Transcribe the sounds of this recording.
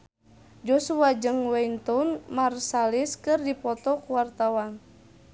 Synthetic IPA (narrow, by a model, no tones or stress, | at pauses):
d͡ʒɔsuad͡ʒɨŋwɛjnt̪ɔnmarsaliskɨrdipɔt̪ɔkuwart̪awan